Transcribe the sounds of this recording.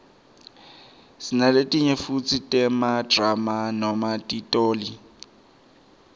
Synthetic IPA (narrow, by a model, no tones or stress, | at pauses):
sinaletʼiɲefut͡sʼitʼɛmadramanɔmatʼitʼoːli